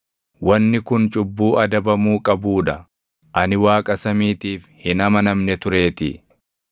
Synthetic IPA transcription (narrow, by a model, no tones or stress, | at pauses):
wɐnːɪkʊnt͡ʃʼʊbːuːʔɐd̪ɐbɐmuːkʼɐbuːᶑɐ | ʔɐnɪwaːkʼɐsɐmiːt̪iːfhɪnɐmɐnɐmnɛt̪ʊɾe̞ːt̪ɪ̰